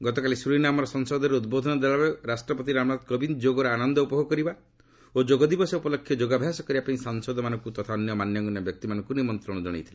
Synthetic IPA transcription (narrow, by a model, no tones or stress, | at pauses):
ɡɔt̪ɔkalisɾuinamɔɾɔsɔŋsɔd̪ʱɔɾeud̪̚bod̪ʱɔnɔd̪aɭabeɾasʈɾɔpɔt̪iɾamɽad̪kɔbind͡ʒoɡɔɾeanɔnd̪ɔupɔɦoɡɔkɔɾiba | od͡ʒoɡɔd̪ibɔsɔupɔlɔkʰːjɔd͡ʒoɡabʱjasɔkɔɾibapãĩsaŋsɔd̪ɔmanɔ̃ŋkut̪ɔt̪ʰaɔnjɔmanjɔɡɔnɔbjɔk̚t̪imanɔŋkunimɔnt̪ɾɔɽ̃ɔd͡ʒɔɽ̃ḛjt̪ʰile